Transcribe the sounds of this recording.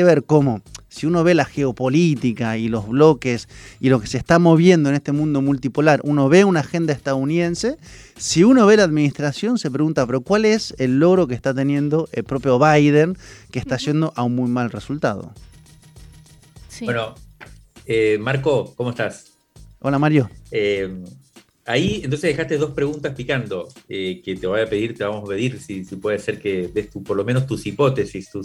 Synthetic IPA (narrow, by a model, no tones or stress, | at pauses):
eβeɾko̞mo̞siuno̞βe̞laxeopo̞lit̪ikailo̞zβlo̞kesilo̞kesest̪amo̞βje̞nd̪oenest̪e̞mũnd̪o̞mult̪ipolaɾʔuno̞βe̞unaxend̪aest̪aðouniðe̞nse̞ | siuno̞βe̞laːðminist̪ɾasjo̞nse̞p̬ɾe̞ɣunt̪ape̞ɾo̞kwaleselːo̞ɣɾo̞kest̪at̪̬e̞njẽ̞nd̪o̞ʔelpɾo̞pjo̞βajð̞eŋkeːst̪aːsje̞nd̪o̞ʔaunmujmalresult̪að̞o̰ | sweno | emaɾko̞komoest̪as | o̞lamaɾjo̞em | aient̪onseðexast̪eðo̞spɾe̞ɣunt̪aspikand̪o̞eket̪e̞βajape̞ðiɾt̪eβamospe̞ðiɾsisipwe̞ðeaseɾkeðest̪upoɾlo̞menost̪usipo̞t̪e̞sist̪us